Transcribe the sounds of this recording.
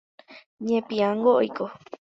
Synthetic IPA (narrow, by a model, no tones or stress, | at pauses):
ɲẽpĩãŋɡoʔojko